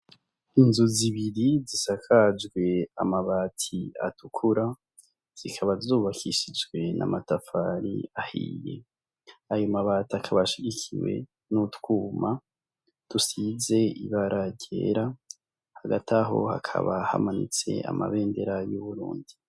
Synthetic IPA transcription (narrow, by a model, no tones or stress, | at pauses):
inzuziβiɾizisakʰad͡ʒɡwe̞amaβaːtʰia̰tukʰuɾa | z̥ikʰaβazuːβakʰiʃid͡ʒɡwe̞na̰matafaɾḭahḭːje̞̰ | ajumaβaːtakʰaβaʃiɟikʰiwe̞̰ | nutwuːma | tusize̞iβaɾʔaɟḛːɾa | haɡatʰaɦo̞̰ha̰kʰa̰βaha̰manḭt͡se̞̰a̰ma̰βe̞ːnde̞ɾajuβuɾṵːndi